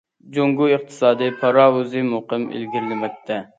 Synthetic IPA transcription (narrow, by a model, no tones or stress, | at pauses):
d͡ʒoŋɡuɨχt̪ʰɨ̥sɑːd̪ɨpʰɑɾɑːwuzɨmoqɨmḛlɡʲiɾlɪmɛk̚ʲt̪ʰɛ